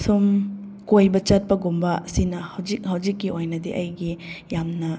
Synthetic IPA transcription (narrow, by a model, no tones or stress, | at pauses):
sum | kojbɐt͡ʃɐt̚pɐɡumbɐsinɐhɐwd͡ʒik̚hɐwzikːiʔojnɐdḭʔɐjɡijamnɐ